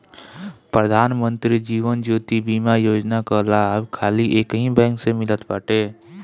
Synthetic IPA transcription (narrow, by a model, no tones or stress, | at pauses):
pɾəd̪ʱaːnmə̃nt̪ɾid͡ʒiːʋənd͡ʒoːt̪ibiːmajoːd͡ʒnakalaːbkʰaːliʔeːkɦĩbɛ̃ːŋksemɪlət̪baːʈeː